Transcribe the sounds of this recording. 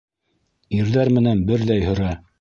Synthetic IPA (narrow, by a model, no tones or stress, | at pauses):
iɾðæɾmɘ̆nænbɘɾðæjhɵ̆ɾæ